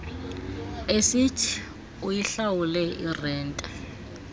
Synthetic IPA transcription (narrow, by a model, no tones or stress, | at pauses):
esitʰi̥ | ujiɬawulɛirɛːntʼɛ